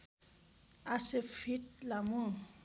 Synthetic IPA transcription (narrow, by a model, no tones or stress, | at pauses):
asefit̚lamoŋ